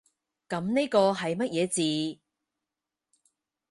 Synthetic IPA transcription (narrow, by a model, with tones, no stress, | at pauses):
kɐ˨˧mne˥jkɔː˧ɦɐ˨jmɐ˥t̚jɛː˨˧t͡siː˨˧